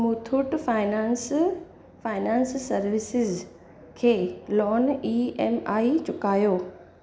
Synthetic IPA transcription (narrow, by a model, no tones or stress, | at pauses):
muːt̪ʰʊʈfaːɪnãːns | faːɪnãːnsːɐɾʋɪsɪz | kʰeːlɔːniːɛmaːit͡ɕʊkaːjoː